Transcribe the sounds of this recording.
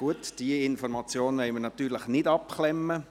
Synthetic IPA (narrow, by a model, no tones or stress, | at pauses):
uətd̥iəɪnfɔɾmɑt͡sjoːnʋɛɪmənɑt̪ːyːɾləχnɪdɑpχlɛmːə